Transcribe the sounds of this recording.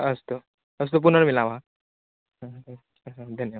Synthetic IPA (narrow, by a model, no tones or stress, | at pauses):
əst̪o | əst̪op̬unəɽmilãʋa | ɦə̃ | ɦə̃d̪ʱənjəʋa